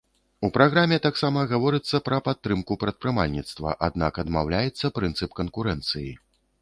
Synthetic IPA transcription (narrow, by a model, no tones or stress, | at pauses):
upɾaɣɾamʲɛt̪aksamɐɣavɔɾɨt̪sːɐpɾɐpat̪ːɾɨmkupɾɐt̪̚pɾɨmalʲnʲit̪st̪vɐ̰ʔa̰d̪̚nakɐd̪ma̰wlʲajɛt̪sːɐpɾɨnt̪sɨpkɐnkuɾɛnt̪sɨji